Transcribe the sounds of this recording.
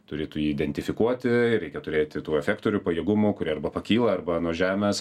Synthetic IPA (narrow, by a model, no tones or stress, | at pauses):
t̪ʊɾʲeːt̪ujiːɪd̪ʲɛnʲt̪ʲɪfʲɪkuɔt̪ʲɪɾʲɛɪkʲɛt̪ʊɾʲeːt̪ʲɪt̪uːɛfʲɛːkt̪oːɾʲuːpɐjɛːɡʊmʊkʊɾʲiɛɐrbɐpɐkʲiːlˠɐɐrbɐnuɔʒʲæːmʲɛːs